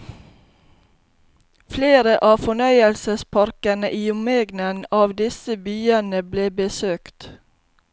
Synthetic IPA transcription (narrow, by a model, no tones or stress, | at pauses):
fleːɾəʔɑːfɔɳœʏəlsəspʰɑɾkənəʔiːʊmeɡnənɑːʋd̪ɪsəbyːənəbleːbəsøːkt̪